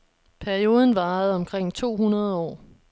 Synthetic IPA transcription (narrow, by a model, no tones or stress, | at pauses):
pʰæɐio̝ːð̞ˠən̩ʋɑ̈ːð̞̩ˠɒ̽mkʰʁeŋ̰t͡sʰo̝̰ːɦunɐð̞ˠɒ̰ː